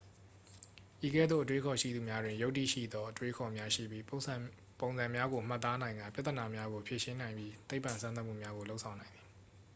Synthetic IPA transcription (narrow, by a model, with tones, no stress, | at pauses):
ʔi˨ɡɛ̰˦˨d̪ðo̰˦˨ʔətwe˦kʰɔ˨ʃḭ˦˨d̪u˨mja˦dwɪ̃˨jo˦ʔtːḭ˦˨ʃḭ˦˨d̪ɔ˦ʔətwe˦kʰɔ˨mja˦ʃḭ˦˨bji˦ | põ˨ʊ̃nzã˨mja˦ɡo˨m̥a˦˨t̪ːa˦nã˨ɪ̃ŋɡã˨pja˦t̪θə˨na˨mja˦ɡo˨pʰje˨ʃɪ̃˦nã˨ɪ̃mbji˦t̪e˦ɪpːã˨nsʰã˦na˦ʔmṵ˦˨mja˦ɡo˨lo˦ʊʔsʰã˨ʊ̃nã˨ɪ̃nði˨